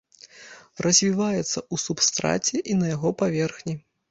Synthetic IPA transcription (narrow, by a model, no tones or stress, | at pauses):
rʔɐzʲvʲivajɛt̪sːɐusupst̪ɾa̰t͡sʲɛʔinɐjaɣɔpavʲɛrxnʲi